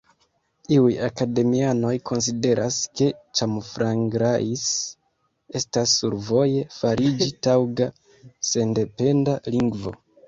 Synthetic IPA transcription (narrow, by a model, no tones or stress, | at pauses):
iujakade̞miano̞jkʰo̞ns̬ide̞ɾʔaske̞t͡ʃamfɾaŋɡɾais | e̞stasːuɾvo̞je̞faɾid͡ʒitawɡa | se̞nde̞pe̞ndaliŋɡvo̞̰